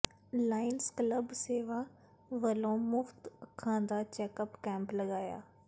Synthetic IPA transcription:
laːɪnskləbseːʋaː | ʋəlõːmʊxt̪əkʰãːd̪aːt͡ʃɛːkəpkɛ̃ːmpləɡaːja̰ː

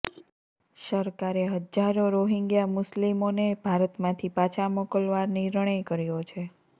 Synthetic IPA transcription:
ʃəɾkaɾeɦəd͡ʒaɾoɾoɦiŋɡjamʊslimonebʱaɾət̪mãt̪ʰipat͡ʃʰamokəlʋaɾniɾəɽ̃ekəɾjot͡ʃʰe

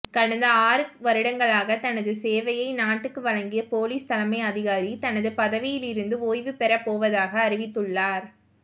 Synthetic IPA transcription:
kɐɽɐnd̪ɐaːɾɯʋɐɾɯɽɐŋɡɐɭaːɣɐt̪ɐnɐðɯseːʋɐjɐɪnaːʈːɯkːɯʋɐɭɐŋɡɪjɐpoːliːst̪ɐlɐmɐɪɐðɪɣaːɾit̪ɐnɐðɯpɐðɐʋɪjɪlɪɾɯnd̪ɯoːjʋɯpɛɾɐpoːʋɐðaːɣɐːɾɪʋɪt̪ːɯɭːaːɾ

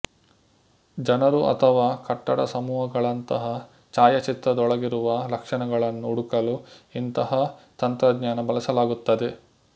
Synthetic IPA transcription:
d͡ʒɐnɐɾuʔɐ̰t̪ʰɐʋaːkɐʈːɐɽɐ̰sɐmuːɦɐɡɐɭɐnt̪ɐɦɐ | t͡ʃaːjɐt͡ʃit̪ɾɐd̪ɔɭɐɡiɾuʋɐlɐkʂɐɳɐɡɐɭɐnːuːɽukɐluint̪ɐɦɐt̪ɐnt̪ɾɐɡɲaːnɐbɐlɐsɐlaːɡut̪ːɐd̪e

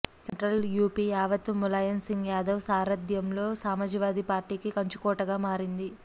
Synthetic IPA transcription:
seɳʈɾɐljuːpijaːʋɐt̪ːumulɐjɐnsiŋɡjaːd̪ɐwsaːɾɐd̪jɐmlo̞ːsaːmɐd͡ʒiʋaːd̪ipaːɾʈiːkikɐɲt͡ʃu̥kɔːʈɐɡaːmaːɾind̪i

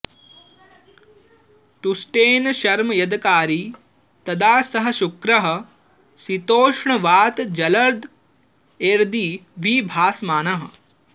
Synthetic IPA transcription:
t̪usʈeːnʃɐɾmɐjɐd̪kaːɾiː | t̪ɐd̪aːsɐɦɐ̆ʃukɾɐɦɐ̆ | sit̪oːʂɳɐʋaːt̪d͡ʒɐlɐɾd̪ | eːɾd̪iːʋʱiːbʱaːsmaːnɐɦɐ̆

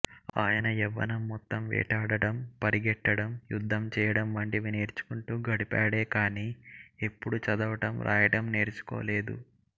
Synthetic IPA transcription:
a̰ːjɐnɐɛʋːɐ̰nɐmːɔt̪ːɐmʋɛ̰ːʈaːɽɐʈɐmpɐɾiɡɛʈːɐɽɐmjud̪ʱːɐmt͡ʃɛːjɐɽɐmʋɐɳʈiʋine̞ːɾt͡ʃu̥kuɳʈuːɡɐɽipaːɽe̞ːkaːniːe̞pːuɽut͡ʃɐd̪ɐʋɐʈɐmɾʔa̰ːjɐʈɐmne̞ːɾt͡ʃu̥ko̰ːle̞ːd̪ṵ

